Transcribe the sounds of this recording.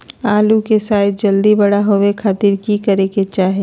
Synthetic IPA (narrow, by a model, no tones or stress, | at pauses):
aːlukesaːd̪̚d͡ʒɐld̪ibɐɽaɦowekʰaːt̪iːɾkikɐɾeket͡ʃaːɦe